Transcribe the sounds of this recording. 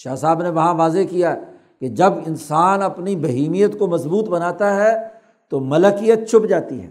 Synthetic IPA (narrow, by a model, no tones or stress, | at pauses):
ʃaːsaːbneʋɐɦãʋaːzekijaɦɛ | ked͡ʒɐbɪnsaːnɐpnibɐɦiːmijət̪komɐsbuːt̪bɐnaːt̪aɦɛ | t̪omɐləkijət̪̚t͡ʃʰʊpd͡ʒaːt̪iɦɛ̰ː